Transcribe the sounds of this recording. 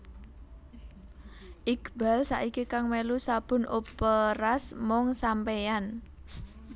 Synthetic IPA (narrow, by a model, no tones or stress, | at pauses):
ʔiɡba̤lsa̰ʔikikaŋmelusab̥ʊ̤nopəɾasmɔŋsampejan